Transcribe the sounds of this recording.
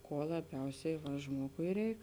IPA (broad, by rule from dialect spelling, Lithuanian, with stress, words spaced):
ˈkuɔ lˠɐˈbʲɛʊsʲɛɪ ʋɐ ˈʒmuɔɡʊɪ ˈrʲɛɪk